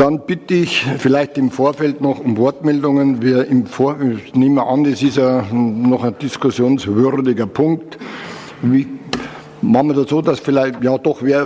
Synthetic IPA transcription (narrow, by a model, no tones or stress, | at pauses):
d̥ɑnb̥ɪtəɪçfɪlaɪçtɪmfoːɐfɛltnɔχʊmvɔɐtmɛldʊŋənviːɐɪmfoːɐneːməʔɑndɛsɪsjanɔχaɪnd̥ɪskʊsjoːnsvʏɾdɪɡɐpʰʊŋkt | i | mɑχmədat͡soːdasfɪlaɪjɑːd̥ɔxʋeːɐ